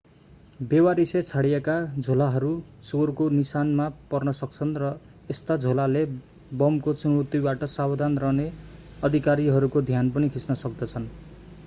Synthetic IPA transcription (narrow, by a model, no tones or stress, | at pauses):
bewaɾiset͡sʰaɽijekad͡zʱolaɦʌɾut͡sorkonisanmapʌrnʌsʌk̚t͡sʰʌnrʌ | est̪ad͡zʱolale | bʌmkot͡sunot̪ibaʈʌsabd̪ʱanrʌneʌd̪ʱikaɾiɦʌɾukod̪ʱjanpʌnikʰit͡snʌsʌk̚d̪ʌt͡sʰʌn